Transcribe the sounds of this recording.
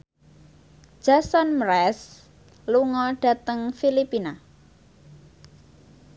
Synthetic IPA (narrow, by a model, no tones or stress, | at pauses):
ʒ̥asɔnmɾɛs | luŋɔɖ̥a̤t̪əŋfilipina